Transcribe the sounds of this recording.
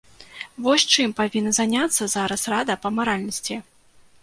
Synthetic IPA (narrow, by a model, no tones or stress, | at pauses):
vɔsʲt͡ʂɨmpavʲinːɐzanʲat̪sːɐzaɾɐsrad̪ɐpɐmaɾalʲnɐsʲt͡sʲi